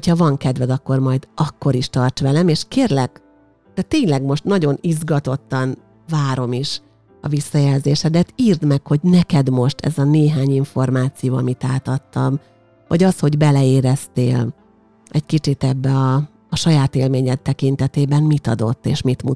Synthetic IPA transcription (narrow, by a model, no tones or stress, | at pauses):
hochɒvɒŋkɛd̪ʋɛd̪ɒkːo̞rmɒjd̪ɒkːo̞ɾiʃt̪ɒrt͡ʃʋɛlɛmeːʃkeːrlɛk | t̪ɛt̪ːeːɲlɛɡmo̞ʃt̪nɒɟo̞nizɡɒt̪o̞t̪ːɒn | vaːɾo̞miʃ | ɒ̰visːɒjɛlzeːʃɛd̪ɛt̪iːrd̪mɛkho̞ɟnɛkɛd̪mo̞ʃt̪ʰɛ̰zɒneːɦaːɲiɱfo̞rmaːt̪sijoːɒmit̪aːt̪ɒt̪ːɒm | vɒ̰ɟɒsho̞ɟbɛlɛeːɾɛst̪ḛːl | ɛckit͡ʃit̪ɛbːɛɒː | ʃɒjaːt̪eːlmeːɲɛt̪ːɛkint̪ɛt̪eːbɛmmit̪ɒd̪o̞t̪ːḛːʃmit̪mu